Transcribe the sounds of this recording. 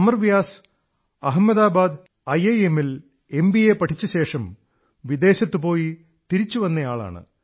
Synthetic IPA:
ɐmɐrʋjaːs | ɐɦɐmːɐðaːbaːd̪ | ɐjejemil | e̞mbiepːɐʈʰit͡ɕːɐɕe̞ːʂɐm | ʋid̪e̞ːɕɐt̪ːɨpo̞ːji | t̪iɾit͡ɕːuʋɐnːɐjaːɭa̰ːɳɨ̰

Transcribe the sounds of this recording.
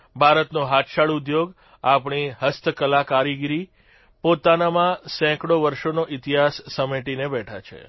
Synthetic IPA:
bʱaɾət̪noɦat̪ʃaɭud̪joɡ | apɳ̃iɦəst̪ʰəkəlakaɾiɡɾi | pot̪anamãsɛ̃kɽoʋəɾʃonoʔit̪iɦasːəmeʈinebɛʈʰat͡ʃʰḛ

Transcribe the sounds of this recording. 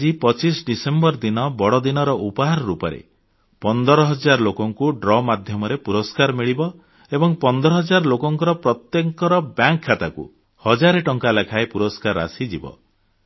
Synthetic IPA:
d͡ʒipɔt͡ʃisɖisembɔɾd̪inɔbɔɽɔd̪inɔɾɔʔupɔɦaɾɔɾupɔɾḛ | pɔnd̪ɔɾɔɦɔd͡ʒaɾɔlokɔŋkuɖɾɔmad̪ʱjɔmɔɾepuɾɔskaɾmiɭibɔ | ebɔŋpɔnd̪ɔɾɔɦɔd͡ʒaɾɔlokɔŋkɔɾɔpɾɔt̪jeŋkɔɾɔbjaŋkʰːat̪akṵ | hɔd͡ʒaɾeʈɔŋkalakʰaepuɾɔskaɾa̰sid͡ʒibɔ̰

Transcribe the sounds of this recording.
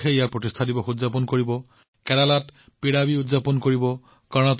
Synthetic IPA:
eijak̚pɹɔtistʰadibɔxudzapɔnkoɹibɔ | kɛɾalat | piɽabiʊdzapɔnkoɹibɔ | kaɹɔnat

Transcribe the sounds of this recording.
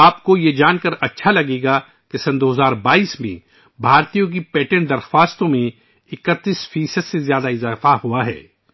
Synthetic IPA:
aːpkojed͡ʒaːnkəɾɐtːʃʰalɐɡeːɡa | kesɐ̃nd̪oːɦzaːɾbaːiːsmḛ̃ | bʱaːɾt̪ijõk̬ipɛːʈə̃ɳd̪ɐɾxwaːst̪õmẽ | ɪkət̪ːiːsfiːsəd̪sezjaːd̪aɪzaːfahuaɦɛ̰ː

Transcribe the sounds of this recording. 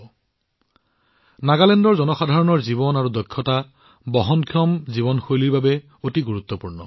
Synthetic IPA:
naɡalɛndɔɹzɔnɔxadʱaɹɔnɔɹzibɔnaɹudɔkʰːjɔta | bɔɦɔnkʰjɔmzibɔnxojliɹbabɛ | otiɡuɹut̪ːɔpuɹnɔ

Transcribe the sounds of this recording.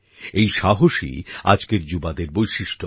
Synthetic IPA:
ejʃaɦoʃḭa̰d͡ʑkeɾd͡ʑubad̪eɾbojʃiʃʈo

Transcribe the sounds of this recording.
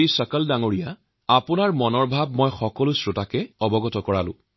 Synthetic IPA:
isɔkəldaŋoɹija | apʊnaɹmɔnɔɹbʱab̚mɔjxɔkɔlʊsɹʊtakɛɔbɔɡɔtɔkɔɹalʊ̰̃

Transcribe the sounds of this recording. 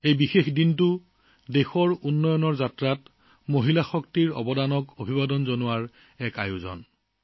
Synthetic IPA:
ejbixexdintʊ | dexɔɹunːɔjɔnɔɹzatɹat | moɦilaxɔktiɹɔ̰bɔdanɔkobʱibadɔnzonʊwaɹ | ɛkajʊzɔ̰n

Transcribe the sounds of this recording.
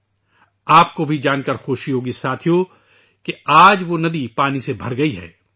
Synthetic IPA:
aːp̚kobʱid͡ʒaːnkɐɾxoːʃijoːɡisaːt̪ʰijo | keaːd͡ʒʋonɐd̪ipaːnisebʱɐɾɡɐiɦɛ̰ː

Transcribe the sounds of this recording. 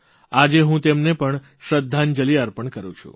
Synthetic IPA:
ad͡ʒeɦũt̪emnepəɳ | ʃəd̪ʱːand͡ʒəliəɾpəɳkəɾũt͡ʃʰṵ

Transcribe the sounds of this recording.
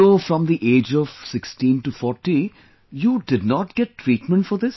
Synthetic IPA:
ofɾɔ̃md̪iʔeːd͡ʒɔʋsɪksʈĩːnʈufɔːɾʈi | juːɖɪɖnɔːʈɡ̥ɛʈːɾiːʈmə̃ɳʈfɔɾd̪ɪs

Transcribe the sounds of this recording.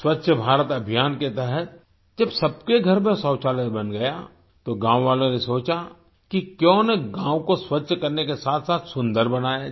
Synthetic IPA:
swətːʃʰəbʱaːɾət̪ɐbʱijaːnket̪ɛɦət̪̚ | d͡ʒɐbsɐbkeɡʱɐɾmẽsɔ̃ːt͡ʃaːlət̪bənɡɐja | t̪oɡãːwʋaːlõnesoːt͡ʃa | kikjõːneɡãːwkoswətːʃkɐɾnekesaːt̪ʰsaːt̪ʰsʊ̃nd̪əɾbɐnaːja

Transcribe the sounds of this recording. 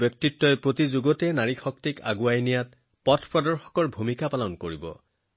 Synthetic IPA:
bjɔk̚titːɔjpɹotizuɡɔtɛnaɹixɔk̚tika̰ɡuajnijat̚ | pɔtʰpɹɔdɔɹxɔ̥kɔɹbʱumikapalɔnkoɹibɔ̰

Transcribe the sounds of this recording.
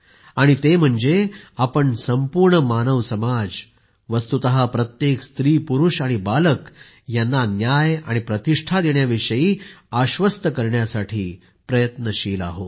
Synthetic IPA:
aɽ̃it̪em̤əɳd͡zeapəɳsəmpuɾɳəmanəʋsəmad͡z | ʋəst̪ut̪əɦapɾət̪jekst̪ɾiːpuɾuʂaɽ̃ibalək | janːanjaja̰ɽ̃ipɾət̪iʂʈʰad̪eɳjaʋiʂəiːaɕʋəst̪əkəɾɳjasaʈʰiː | pɾəjət̪nəɕiːla̰ɦo

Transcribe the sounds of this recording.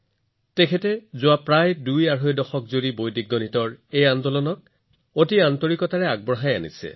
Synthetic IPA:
tɛkʰɛtɛzʊapɹajdujaɹɦojdɔxɔk̚zoɹibojdiɡ̚ːɔnitɔɹejandɔlɔnɔt̚ | otiantoɹikɔtaɹɛaɡ̚bɹɔɦajanḭsɛ̰

